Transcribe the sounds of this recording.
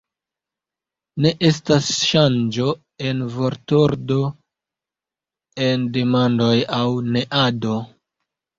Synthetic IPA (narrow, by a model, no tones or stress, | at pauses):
ne̞ʔe̞stasʃand͡ʒo̞ | e̞nvoɾtoɾdo̞ | e̞nde̞mando̞jawne̞ʔado̞